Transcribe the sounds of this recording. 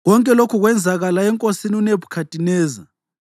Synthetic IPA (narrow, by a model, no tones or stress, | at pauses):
ɣɔŋkʼɛlokʰuɣwɛnd͡zʱaɣalaɛŋkʼosiniunebʰʱu̥kʰatʼinɛːza